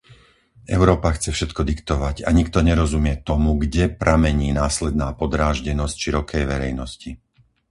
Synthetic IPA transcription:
ʔɛ̰ʊɾɔːpaxt͡sɛfʃɛt̪kɔd̪ikt̪ɔʋaɟaɲikt̪ɔɲɛɾɔzumɪɛt̪ɔmuɡɟɛpɾamɛɲiːnaːslɛd̪naːpɔd̪ɾaːʒɟɛnɔscʃiɾɔkɛjʋɛɾɛ̰jnɔsci

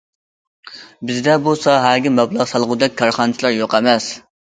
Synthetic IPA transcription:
bɪzd̪ɛbosɑɦæɾɡʲimɛblˠɑʁsɑlˠʁʊd̪ɛk̚ʲkʰːɑɾχɑnt͡ʃ̪ʰilˠɑɾjoqɛmɛs

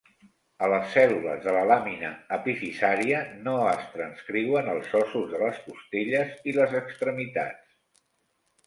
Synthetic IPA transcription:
ələsːɛlulə̰zðələlaminə̰ːpifisaɾiənoəst̪ɾənskɾiwənəlˠzɔsuzðələskust̪iʎəziləzəkst̪ɾəmit̪a̰t͡s

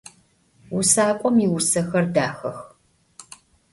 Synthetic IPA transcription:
wʊsaːkʷʼɔmiwʊsɐxɐrdaːxɐx

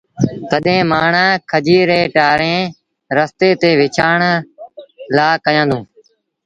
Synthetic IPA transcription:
t̪əɗɦẽːmaːɳaːkʰəd͡ʒiːɾeːʈaːɾẽː | ɾəst̪eːt̪eːʋɪt͡ʃʰaːɳ | laːkəjãːd̪ũː

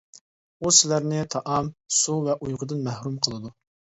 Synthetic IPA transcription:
usɪlæɾnɪt̪ʰɑʔɑmsuvɛʔujʁəd̪ɨnmæhɾumqʰəlˠɨd̪u

